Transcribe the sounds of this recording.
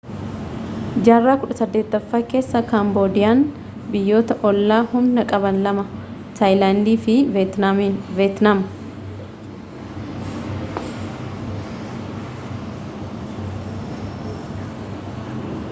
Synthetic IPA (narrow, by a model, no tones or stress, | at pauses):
d͡ʒaːrːaːkʊᶑɐsɐd̪ːeːt̪ːɐfːaːke̞ːsːɐkaːmboːd̪ɪjaːn | bɪjːo̞ːt̪ɐʔɔlːaːhʊmnɐkʼɐbɐnlɐmɐ | t̪ʰajlaːnd̪iːfɪt̪ːveːt̪naːm